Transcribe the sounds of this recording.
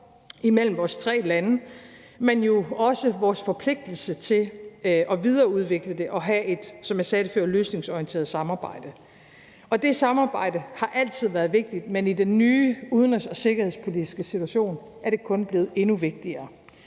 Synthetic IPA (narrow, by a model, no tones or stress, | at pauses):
imel̰m̩ʋɒːst͡sʰʁɛ̰ːlænə | menjo̝ɒ̽səʋɒːsfɒ̽pʰle̝ɡ̥̚d̥l̩sət͡sʰe̝lʔɒ̽ʋið̞ˠɐːuð̞ˠʋe̝ɡ̥ləd̥e̝ʔɒ̽ɦæʔe̝d̥sɒ̽mjɑ̈sɛːɾ̥əføɐ̰løːsne̝ŋsɒiənt͡sʰe̝ːɐð̩ˠsɑ̈mɑ̈ːb̥ɑ̈ɪ̰d̥ə | ɒ̽d̥e̝sɑ̈mɑ̈ːb̥ɑ̈ɪ̰d̥əhɑ̈ʔæl̰t͡sʰið̞̰ˠʋæːɐð̞ˠʋe̝ɡ̥̚d̥id̥menid̥enːyːuð̞ˠn̩ɒsɒ̽se̝ɡ̥ɐhe̝spʰo̝lidʰisɡ̥əsit͡sʰuæɕo̝̰ːn | æɐɾ̥e̝kʰɔ̽nb̥le̝ːð̩ˠe̝nuʋe̝ɡ̥̚d̥iɐː